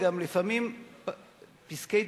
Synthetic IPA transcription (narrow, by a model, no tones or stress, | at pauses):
ɡamlifamimp | piskej̪